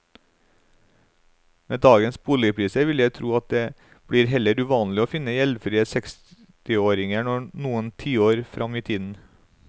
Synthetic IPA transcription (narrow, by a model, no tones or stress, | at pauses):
meːd̪ɑːɡənsbuːlɪəpʰɾiːsəʋɪləjæɪt̪ʰɾuːɑt̪̚d̪eː | b̥ɽiːɾɦɛləɾʉʋɑːnlɪoːfɪnːəjɛlfɾiːəsɛks | t̪ɪoːɾɪŋəɳɔnuːənt̪ʰiːoːɾfɾʔɑmiːt̪ʰiːd̪n̩